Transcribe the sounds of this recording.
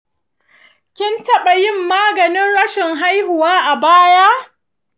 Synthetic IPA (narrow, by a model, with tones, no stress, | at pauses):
kʲɪ˦ntɐ˦ɓa˨jɪ˦˨mːaː˦ɡɐ˨nɪ˦nɽɐ˦ʃɪ˨ŋɦa˦jhʊ˨waː˦ʔa˨baː˦ja˦